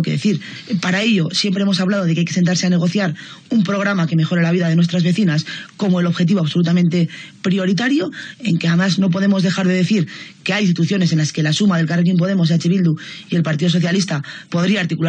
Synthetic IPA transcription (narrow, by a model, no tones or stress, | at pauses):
keðeθiɾ | paɾae̞ʎo̞sje̞mpɾeemo̞saβlað̞o̞ð̞ekeajke̞sent̪aɾse̞ane̞ɣ̞o̞θjaɾ | umpɾo̞ɣɾamake̞me̞xo̞ɾe̞laβiðaðe̞nwe̞st̪ɾazβe̞θinasko̞moelo̞βxe̞t̪̬iβo̞aβsolut̪̬amẽnt̪e̞pɾio̞ɾit̪aɾjo̞e̞ŋkeamazno̞p̬o̞ðe̞mo̞zðe̞xaɾðe̞ðe̞θiɾke̞ajinst̪it̪uθjo̞ne̞s̬e̞nlaske̞lasumaðe̞lkarek̬imp̬o̞ð̞e̞mo̞s̬eat͡ʃiβild̪uie̞lpaɾt̪iðo̞so̞θjalist̪apo̞ðɾiaːɾt̪ikul